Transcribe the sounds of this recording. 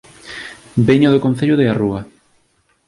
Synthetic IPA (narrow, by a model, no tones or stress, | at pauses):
beɲoðokon̟θeʎoðearuɐ